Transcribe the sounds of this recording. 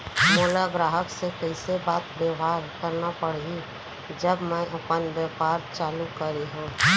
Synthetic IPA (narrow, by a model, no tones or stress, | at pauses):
moːlaɡɾaːɦəksekəɪsebaːt̪bjeʊɦaːɾkəɾnapəɽ̤i | d͡ʒəbmɛ̃ʔɐpənʋjepaːɾt͡ʃaːlukəɾeɦũː